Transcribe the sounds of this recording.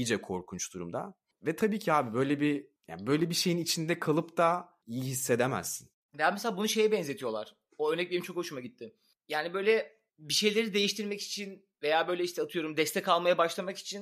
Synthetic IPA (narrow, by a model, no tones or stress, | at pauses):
id͡ʒɛkʰoɾkʰunt͡ʃd̪̥uɾumd̪a̰ | vɛt̪ʰabiːcʰiaːbibø̞jlʲɛbija̰ːnbø̞jlʲɛbiʃe̞jinit͡ʃʰind̪ɛkʰalˠɯpt̪a | ijiɦisːe̞d̪emæ̰zːin | vejaːmɛseaːbunuʃe̞jɛbɛnze̞t̪ʰijo̞lˠa̰ɾ̥ | oøɾnɛc̚beɾimt͡ʃʰo̞kho̞ʃumaɟit̪ʰːɪm | jaːnibø̞jlʲɛ | biʃe̞jlʲe̞ɾid̪e̞jiʃt̪ʰiɾmɛci̥t͡ʃʰin | vejaːbø̞jlʲɛiʃt̪ʰɛat̪ʰɯjo̞ɾumd̪ɛst̪ʰɛkʰalˠmajabaʃlˠamaki̥t͡ʃʰin